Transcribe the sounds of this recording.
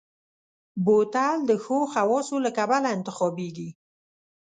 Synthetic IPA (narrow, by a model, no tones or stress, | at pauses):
bot̪ald̪əxoxawɑsolakabalaɪnt̪ɪxɑbeɡi